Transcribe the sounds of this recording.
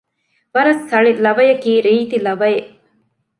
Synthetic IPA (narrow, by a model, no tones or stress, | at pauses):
ʋɐɾɐsːɐɭilɐʋɐjɐkiːɾiːt̪ilɐʋɐjeʔ